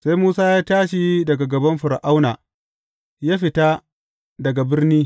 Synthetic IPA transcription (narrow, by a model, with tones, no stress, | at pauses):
sa˦jmuː˦saː˦jaː˦taː˦ʃi˨dɐ˨ɡa˨ɡɐ˨bɐ˦mɸʊ˨ɾʔa˦wnaː˨ | jaː˦ɸɪ˨ta˦ | dɐ˨ɡa˨bɪ˦rniː˦